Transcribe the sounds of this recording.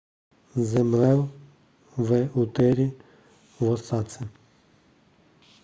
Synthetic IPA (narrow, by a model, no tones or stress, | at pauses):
zɛmlɛw | vɛut̪ɛɾi | vɔsat͡sʰɛ